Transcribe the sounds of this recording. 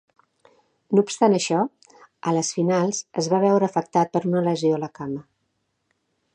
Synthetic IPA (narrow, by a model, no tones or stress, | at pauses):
nuːpst̪anəʃɔ | ələsfinalˠzəzβaβ̞ɛwɾəːfək̚t̪at̪̚pəɾunələzioləkamə